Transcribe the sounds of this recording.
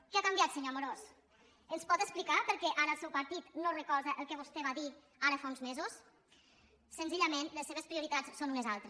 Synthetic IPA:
kɛakambjat̪seɲomoɾos | ənspɔt̪əksplikapəɾkɛʔaɾəlˠsɛwpəɾt̪it̪norəkɔɾðəʔəlˠkɛβ̞ust̪ɛβaði | aɾəfaunzmezus | sənziʎamenləsːeβ̞espɾiuɾit̪at͡ssonunəzalˠt̪ɾe

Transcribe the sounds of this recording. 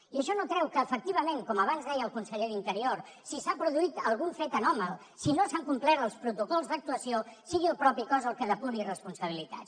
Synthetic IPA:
iəʃɔnokɾɛwkəːfək̚t̪iβ̞əmeŋkɔməβ̞anzðɛjəlˠkunsəʎeðint̪əɾioɾ | sisapɾuðuit̪əlˠɣuɱfet̪ənɔməlˠ | sinosaŋkumplɛɾəlˠspɾut̪ukɔlˠzðək̚t̪uəsiosiɣilˠpɾɔpikɔzəlˠkəðəpunirəspunsəβ̞ilit̪a̰t̪

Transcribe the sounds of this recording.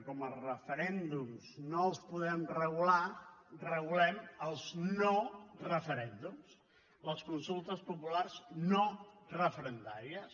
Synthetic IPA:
kɔmərəfəɾɛnd̪umznoəlˠspuðɛmrəɣularəɣulɛməlˠznorəfəɾɛnd̪ums | ləskunsulˠt̪əspupularznorəfəɾənd̪aɾiəs

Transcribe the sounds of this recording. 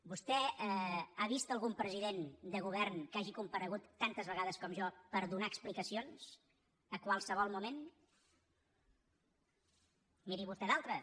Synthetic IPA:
bust̪ɛɛaβist̪əlˠɣumpɾəziðend̪əɣuβ̞ɛrnkaʒikumpəɾəɣut̪ːant̪əzβəɣaðəskɔmʒɔpəɾðunaəksplikəsions | əkwalˠsəβ̞ɔlˠmumen | miɾiβust̪ɛðalˠt̪ɾə

